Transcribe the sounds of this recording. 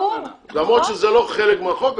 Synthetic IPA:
lamʁod̪ʃezeloχelekmaχok

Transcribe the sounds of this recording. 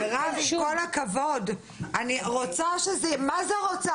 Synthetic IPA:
ʁaviko̞lakavo̞d | aniʁot͡saʃezemazeʁot͡sa

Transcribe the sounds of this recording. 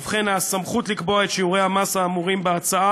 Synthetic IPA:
fχenasamχut̪likbo̞aet̪ʃiuʁejamasaːmuʁimbeat͡saa

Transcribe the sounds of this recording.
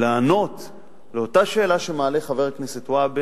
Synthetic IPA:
laːno̞t̪ | leo̞taʃe̞ːlaʃemaːleχave̞ʁknesetwabe

